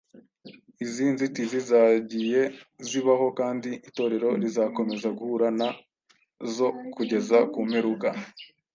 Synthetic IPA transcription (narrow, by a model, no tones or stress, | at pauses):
iziːnzitizizaːɟije̞ziβaho̞kaːndiʔito̞ːɾe̞ɾo̞ɾizako̞me̞zaɡuhuɾana | zo̞kuɟe̞zakume̞ɾuɡa